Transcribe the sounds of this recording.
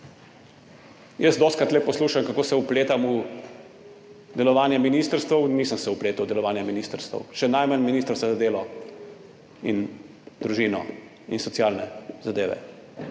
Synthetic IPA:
jəsd̪ɔːst̪kɾat̪lɛpɔsluːʃamkakoːsɛupleːt̪amu | d̪ɛlɔʋaːnjaminiːst̪əɾst̪ʋɐwnisəmsɛupleːt̪uwd̪ɛlɔʋaːnjaminiːst̪əɾst̪ɐ̰wʃɛnajmanminist̪ɾskazad̪eːlɔ | in | d̪ɾuʒiːnɔ̰ | insɔtsjaːlnɛzad̪eːʋɛ̰

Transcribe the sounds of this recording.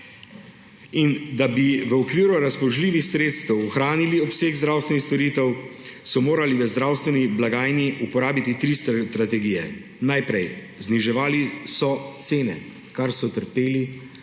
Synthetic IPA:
ind̪abiʋəɔkʋiːɾuɾaspɔʒliːʋixsɾeːt̪st̪ɛwɔxɾaːniliɔpseːɡzd̪ɾaːwst̪ʋɛnixst̪ɔɾiːt̪ɛwsɔmoːɾaliʋəzd̪ɾaːwst̪ʋɛniblaɡaːjniʔupɔɾaːbit̪it̪ɾist̪t̪ɾat̪ɛɡijɛ̰ | najpɾɛj | zniʒɛʋaːlisɔt̪seːnɛ̰ | kaɾsɔt̪əɾpeːli

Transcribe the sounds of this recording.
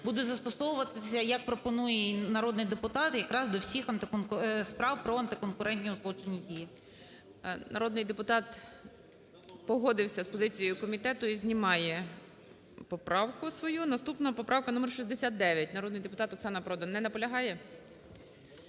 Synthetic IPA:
bud̪ɛzɐst̪ɔsɔʋʊʋɐt̪ɪsʲɐjɐk̚pɾɔpɔnujɛnɐɾɔd̪nɪjd̪epʊt̪ɑt̪jɐkɾɑzd̪ɔwsʲixɐnt̪ɪspɾɑwpɾɔɐnt̪ɪkɔnkʊɾɛnʲtʲnʲiɔzlˠɔt͡ʃenʲːidʲiji | nɐ̰ɾɔd̪nɪjd̪epʊt̪ɑt̪ | pɔɦɔd̪ɪwsʲɐspɔzɪt͡sʲijjʊkɔmʲit̪ɛt̪ʊizʲnʲimɑjɛ | pɔpɾɑwkʊsʋɔjunɐst̪upnɐpɔpɾʔɑwkɐnumerʃizʲd̪esʲat̪̚d̪ɛʋʲjɐtʲnɐɾɔd̪nɪjd̪epʊt̪ɑt̪ɔksɑnɐpɾɔd̪ɔnːɛnɐpɔlʲɐɦɑjɛ

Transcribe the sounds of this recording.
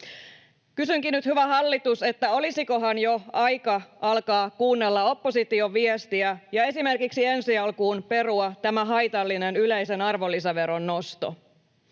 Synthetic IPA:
kysyŋkinːyt̪hyʋæhɑlːit̪use̞t̪ːæo̞lisiko̞ɦɑnjo̞ɑjkɑʔɑlkɑːkuːnːelːɑo̞pːo̞sit̪io̞ʋiest̪iæjɑe̞sime̞rkiksie̞nsiɑlkuːnpe̞ruɑt̪æmæɦɑjt̪ɑlːinenyleise̞nɑrʋo̞lːisɑʋe̞ɾo̞nːo̞st̪o̰

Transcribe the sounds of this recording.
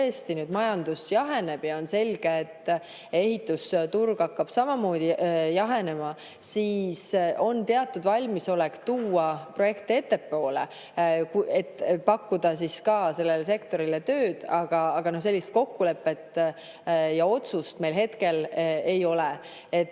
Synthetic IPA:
est̪inyːd̪mɑjɑnd̪̥usjɑɦe̞ne̞b̥jɑo̞nse̞lʲɡ̥eːt̪ː | e̞ɦit̪ːˑust̪urɡ̥ɑkːɑb̥sɑmɑmo̞ːd̪̥ijɑɦe̞ne̞mɑ | siːso̞nt̪e̞ɑt̪ːˑud̪vɑlʲmiso̞lekt̪uːɑpro̞je̞kt̪ie̞t̪ːe̞pːo̞ːlḛ | kuet̪ːpɑkːud̪̥ɑsiskɑːse̞lːelese̞kt̪o̞ɾilet̪ø̞ːd̪̥ɑɡ̥ɑːɡ̥ɑno̞hs̬e̞lːist̪̚ko̞kːule̞pːˑe̞t̪ːˑ | jɑo̞t̪sust̪me̞jlɦe̞t̪ke̞le̞jo̞le | et̪ː

